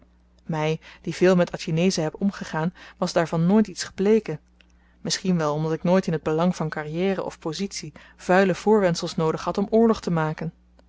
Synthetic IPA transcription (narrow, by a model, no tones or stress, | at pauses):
mɛjd̥iv̥ɪːlˠmɛtʰɑtinejzəɦɛpɔmχəχaːnʋɑzdaːɹvɑnːoːjtitsχə̥plejkən | mɪsχinʋɛlˠɔmdɑtɪknoːjtɪnɦəd̚bəlɑŋvɑnkarijɛːrə̰ʔɔ̰fpozitsi | v̥œɥləv̥ʊːɹʋɛnsəlˠsnowdəχɦɑtɔmʊːɹlɔχtəmaːkən